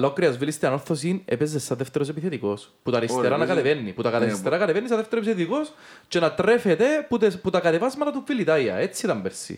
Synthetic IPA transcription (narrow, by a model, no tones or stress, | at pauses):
lokɾiɐzvilist̪iɐno̞ɾθosinḛpezesːɐðeft̪eɾosepiθet̪iko̞sput̪ɐɾipst̪eɾanɐkɐt̪evenːiput̪ɐkɐt̪ɐɾist̪eɾaɐkɐt̪evenːis̬ɐðeft̪eɾopisθeet̪iko̞s | t͡ʃenɐt̪ɾefet̪eput̪eput̪ɐkɐt̪evɐzmɐt̪ɐt̪uːilit̪ɐjɐ̰et͡sːit̪ɐmbeɾsḭ